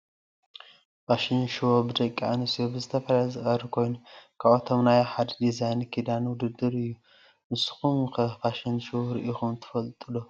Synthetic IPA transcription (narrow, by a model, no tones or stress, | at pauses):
baʃinʃwobɨd̪ɐkʼia̰nɨsijobɨzɨt̪ʰɐfɐlajzɨxʼɐɾikʰo̞jnukʰaβot̪ʰomnajoħad̪d̪izajnkʰid̪anwʊd̪ɨd̪ɨɾɨjːu | mɨsxumkʰɐbaʃinʃuwɾɨʔixumt̪ʰɨ̥fɐlt̪ʼɨlo